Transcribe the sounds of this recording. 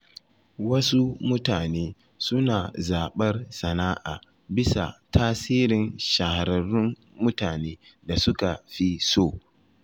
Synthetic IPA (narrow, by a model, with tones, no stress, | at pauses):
wɐ˦su˦mʊ˦taː˨neː˦ | sʊ˦naː˨zaː˨ɓɐ˦rsɐ˨naː˦ʔaː˨ | bɪ˦sa̰˨tʰaː˦siː˦ɾɪ˨nʃa˨ha˨ɾɐ˨rʊ˦mː | ʊ˦taː˨neː˦ | da˨sʊ˦ka˨ɸi˦soː˦˨